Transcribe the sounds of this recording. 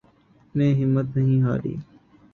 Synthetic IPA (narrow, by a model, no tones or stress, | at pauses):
nẽːɦɪmːət̪nəɦĩːɦa̰ːɾḭː